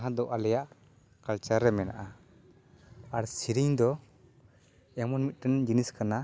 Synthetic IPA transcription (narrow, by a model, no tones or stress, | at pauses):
ɦãd̪ɔʔalɛjaʔ | kalt͡ʃaɾːɛmɛna̰ʔa | aɾsiɾiɲd̪ɔ | ɛmɔnmit̪̚ɾɛnd͡ʒiniskana